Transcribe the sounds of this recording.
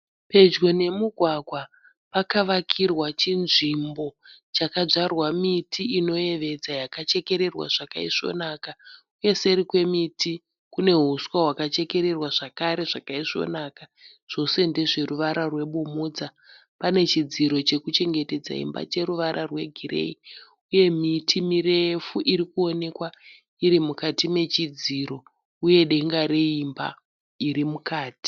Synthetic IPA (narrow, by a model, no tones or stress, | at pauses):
pe̞d͡ʒɡo̞ne̞muɡʱwaɡʱwa | pakaʋakʰirwat͡ʃinʐimbo̞t͡ʃakaʐarwamitʰiino̞je̞ʋe̞d͡zajakat͡ʃe̞ke̞ɾe̞rwa̰ʐ̥aka̰iʂo̞̰naka | uje̞se̞ɾikwe̞miti | kune̞ɦuswaɦwakat͡ʃe̞ke̞ɾe̞rwaʐakaɾe̞ʐakaiʂo̞̰naːka | ʐ̥o̞se̞nde̞ʐe̞ruʋaɾarwe̞ɓomoːd͡za | pane̞t͡ʃid͡ziɾo̞t͡ʃe̞kut͡ʃe̞ŋɡe̞te̞d͡za̰ḭmba̰t͡ʃe̞ɾuʋaɾarwe̞ɡʱirḛi | uje̞mitʰimirefuʔiɾikuo̞ne̞kwa | iɾimukatime̞t͡ʃid͡ziɾo̞ | uje̞ɗe̞ŋɡaɾeimba̰ | iɾimukaːti̥